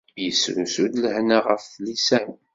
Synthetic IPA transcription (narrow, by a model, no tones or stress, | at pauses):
jəsɾusud̪ləhnaʁəfθlisæn